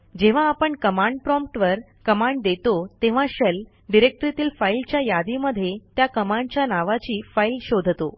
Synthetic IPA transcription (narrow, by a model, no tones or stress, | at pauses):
d͡ʑeʋ̤ãːpəɳkəmaɳɖ̚pɾɔ̃mpʈʋəɾ | kəmãɳɖd̪et̪ot̪eʋ̤ãɕəl | ɖiɾek̚ʈɾit̪iːlfailt͡ɕjajad̪iməd̪ʱːjet̪jakəmãɳɖt͡ɕjanaʋat͡ɕiːfailɕod̪ʱt̪o̰